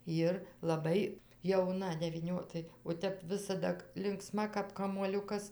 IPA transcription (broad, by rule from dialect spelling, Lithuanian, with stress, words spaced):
ˈjɪr lˠɐˈbɐɪ jɛʊˈnɐ dʲɛʋʲiːˈnʲoː ˈtɐɪ oː ˈtʲɛp ˈʋʲɪsɐdɐ lʲɪŋkˈsmɐ kɐp kɐmuɔˈlʲʊkɐs